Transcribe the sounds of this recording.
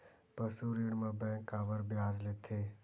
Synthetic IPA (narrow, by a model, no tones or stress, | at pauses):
pəsuɾiɽmãbɛ̃kaːʋəɾbjaːzlet̪ʰe